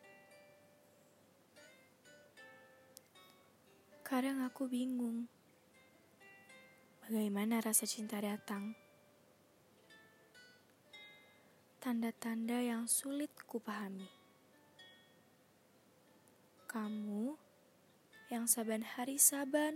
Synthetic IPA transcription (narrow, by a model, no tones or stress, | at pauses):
kadaŋakubiŋʊŋ | baɡajmanaɾasat͡ʃint̪adat̪aŋ | t̪andat̪andajaŋsulɪt̪̚kupaɦami | kamu | jaŋsabanhaɾisaban